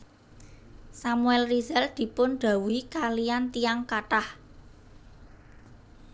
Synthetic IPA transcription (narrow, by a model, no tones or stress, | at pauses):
samuɛlrizɛld̪̥i̤pʊnɖ̪̥ä̤wikalijant̪ijaŋkaʈah